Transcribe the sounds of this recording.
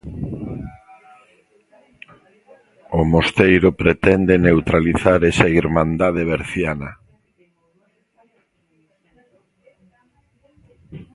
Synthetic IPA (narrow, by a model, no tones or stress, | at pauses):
omost̪ejɾʊpɾet̪ɛnd̪enewt̪ɾaliθaɾɛsɐiɾmãnd̪aðeβeɾθjanɐ